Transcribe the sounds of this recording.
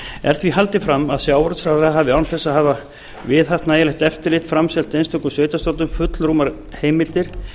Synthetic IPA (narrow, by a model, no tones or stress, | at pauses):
ɛ̰ɾ̥θviɦalt̪ɪfɾamːaðsjawɾt̪sfɾawðaɦavɪawnθɛsːaɦaːva | vɪðɦaft̪naːjalɛht̪ɛft̪ɪɾlɪht̪fɾamsɛlt̪ejnst̪ɔŋkʏmsœːɥjt̪ast̪ot̪ʏmfʏt̪lɾumaɾ | heːjmɪlt̪ɪɾ̥